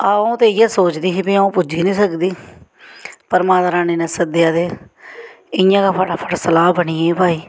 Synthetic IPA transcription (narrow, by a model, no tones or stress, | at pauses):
aõːt̪eːɪjaːsoːt͡ʃd̪iːsiːbiaũːpʊd͡ʒiːnĩːsəkd̪iː | pəɾmaːt̪ːɾaːneːnẽːsəd̪ɪjaːd̪eː | ɪjãːkaːpʰaɖaːpʰəɽsəlaːbəniːebaːiː